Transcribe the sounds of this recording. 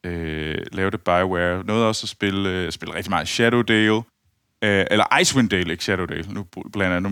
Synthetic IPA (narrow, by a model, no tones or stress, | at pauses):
ølɛːʊd̥əb̥ɑ̈ɪweɐnɔ̽ːð̩ˠɒ̽sɒsb̥e̝lsb̥e̝lʁɛɡ̥d̥imɑ̈ŋ̩ˠɕæɾoʊd̥eːl | elɐʔɑ̈ɪswind̥eːleɡ̥ɕæɾodḛːlnu̥b̥lɛndæn